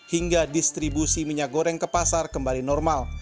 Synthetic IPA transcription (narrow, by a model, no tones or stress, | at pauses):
hiŋɡadist̪ɾibusiməɲaɡoɾɛŋkəpasarkəmbalinɔrmal